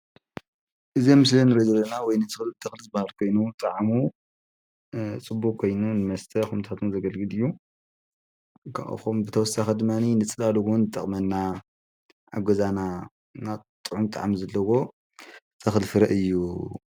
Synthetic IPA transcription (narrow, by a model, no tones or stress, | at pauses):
ʔɨzemɨslɐnɨɾezɐlɐnawɔjnɨt̪ʰɨxlt̪ʰɨxlzɨbahalkʰo̞jnut̪ʼaʕamu | t͡sʼɨbːukkʰːo̞jnunɨmɐst̪ʰɐxumt̪ʰat̪ʰunzɐɡɐlɡɨlɨjːu | kʰa̰ʔxombɨt̪ʰɐwɔsaxɐd̪ɨmːaninɨt͡sʼɨlaluɡnːɨt̪ʼɐχʼmɐnːa | ʔʕa̰ɡozana | nat̪ʼɨʕumt̪ʼa̰ʕamzɐlːɐwo̞ | tʼɐxlfɨɾɐʔɨjːu